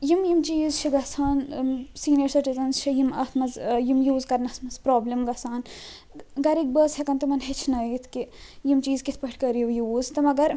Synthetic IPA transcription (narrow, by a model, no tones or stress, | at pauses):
jimjimt͡ʃiːzt͡ʃʰiɡɐsʰaːnsiːnjɐɾsɐʈit̪ɐnzt͡ʃʰijimɐt̪ʰmɐzjimjuːzkɐɾnɐt̪ʰmɐzpɾoːblimɡɐsaːn | ɡɐɾik̚bəːsɦekɐnt̪imɐnɦet͡ʃʰnɐjit̪ʰkijimt͡ʃiːzkit̪ʰpɐʈʰʲkəɾjiʋjuːzt̪ɐmɐɡɐɾ